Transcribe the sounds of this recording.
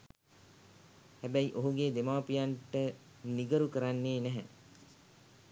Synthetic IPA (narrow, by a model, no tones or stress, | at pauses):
hæbæjʔoɦuɡed̪emaːpijaɳʈə | niɡəɾukəɾanːeːnæɦɛ